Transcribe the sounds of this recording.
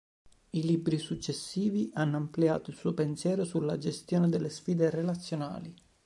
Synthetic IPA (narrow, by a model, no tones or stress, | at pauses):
ilibɾisut͡ʃːesːiːviʔanːoamplia̰ːt̪oilsuːopensjɛːɾosulːad͡ʒest̪joːned̪elːesfiːd̪erelat̪sːjona̰ːli